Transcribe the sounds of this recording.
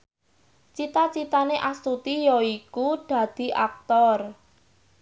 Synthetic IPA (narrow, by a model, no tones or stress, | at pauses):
t͡ʃit̪at͡ʃit̪aneʔast̪ut̪ijɔikud̪̥ä̤d̪̥i̤ʔa̰k̚t̪ɔr